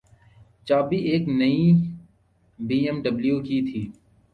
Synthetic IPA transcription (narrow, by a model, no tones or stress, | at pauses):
t͡ʃaːbiʔeːknəi | biːɛmɖəbljuːkit̪ʰiː